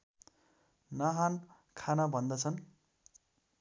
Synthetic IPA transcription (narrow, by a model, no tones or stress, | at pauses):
nʌɦan | kʰanʌbʱʌnd̪ʌt͡sʰʌn